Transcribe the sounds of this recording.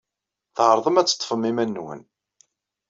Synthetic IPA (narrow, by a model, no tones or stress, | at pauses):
θʕəɾˤðˤəmæt͡sːə̥t̪ˤːfəmimænːwə̰n